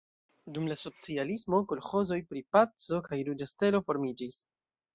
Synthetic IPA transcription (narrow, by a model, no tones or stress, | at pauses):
dumlaso̞t͡sialismo̞kolxo̞zo̞jpɾipat͡so̞kajɾud͡ʒaste̞lo̞fo̞ɾmid͡ʒis